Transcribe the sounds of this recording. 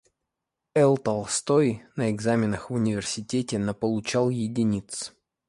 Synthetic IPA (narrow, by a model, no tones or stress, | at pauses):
ɛlˠt̪ɐlˠst̪ojnəɪɡzamʲɪnəxvʊnʲɪvʲɪrsʲɪtʲetʲɪnəpəlˠʊt͡ɕalˠjɪdʲɪnʲit̪s